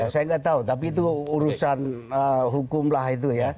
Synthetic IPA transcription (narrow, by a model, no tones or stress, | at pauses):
asajaŋɡaʔt̪aut̪ap̬iːt̪̬uːɾusanəɦukʊmlahit̪̬uja